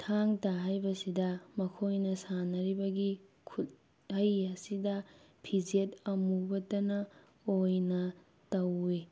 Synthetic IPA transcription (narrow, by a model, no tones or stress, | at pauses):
tʰaŋtɐɦajbɐsidɐmɐkʰojnɐsanɐɾibɐɡikʰut̚ | hɐjɐsidɐ | pʰid͡ʒet̚ɐmubɐtɐnɐ | ojnɐ | tɐwːe